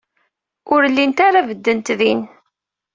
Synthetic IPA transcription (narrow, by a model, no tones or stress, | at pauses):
ʊɾlːint̪aɾavəd̪ːənt̪ðin